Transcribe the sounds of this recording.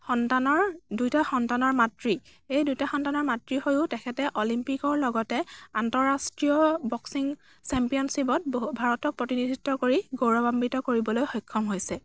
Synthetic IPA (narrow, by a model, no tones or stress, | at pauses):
xɔntanɔɹdujtaxɔntanɔɹmatɹi | ejdujtaxɔntanɔɹmatɹihojʊtɛkʰɛtɛʔolimpikɔɹlɔɡɔtɛantɔɹastɹiɔbɔksiŋ | sɛmpijɔnsibɔt̚bbʱaɹɔtɔk̚pɹotinidʱitːɔkoɹiɡoɹɔbambitɔkoɹibɔlojxɔjkʰːɔmɦojsɛ